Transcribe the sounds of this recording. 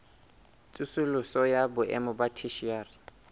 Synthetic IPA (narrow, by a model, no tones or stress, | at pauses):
t͡sʼusulʊsɔjabʊʔɛ̰mʊbatʰiʃiaːri